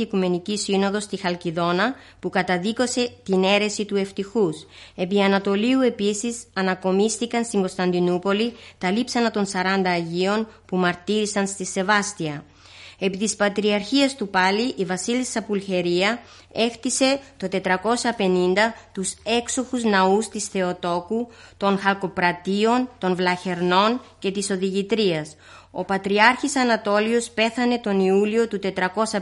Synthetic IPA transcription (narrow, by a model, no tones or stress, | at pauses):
ikume̞nicisino̞ðo̞st̪ixɐlciðo̞nɐ | pukɐt̪ɐðiko̞se̞t̪ine̞ɾe̞sit̪ue̞ft̪ixuse̞piɐnɐt̪o̞liue̞pisisɐnɐko̞mist̪ikɐnst̪iŋɡo̞st̪ɐnd̪inupo̞lit̪ɐlipsɐnɐt̪o̞nsɐɾɐnd̪ɐːʝio̞npumɐɾt̪iɾisɐnst̪ise̞vɐst̪iɐ | e̞pit̪ispɐt̪ɾiɐɾçiɐst̪upɐliʔivɐsilisɐpulçe̞ɾiɐ | e̞xt̪ise̞t̪o̞t̪e̞t̪ɾɐko̞sɐpe̞nind̪ɐt̪use̞kso̞xuznɐust̪isθe̞o̞t̪o̞kut̪o̞nxɐlko̞pɾɐt̪io̞nt̪o̞nvlɐçe̞ɾno̞nce̞t̪iso̞ðiʝit̪ɾiɐs | o̞pɐt̪ɾiɐɾçisɐnɐt̪o̞lio̞spe̞θɐne̞t̪o̞niulio̞t̪ut̪e̞t̪ɾɐko̞sɐ